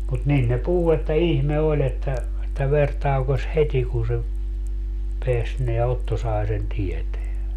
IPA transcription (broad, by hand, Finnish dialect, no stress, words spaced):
mut nin ne puhu etːæ ihme olʲ etːæ etːæ ʋer tɑukos heti kun se peæs neæ otːo sɑe sen tieteæ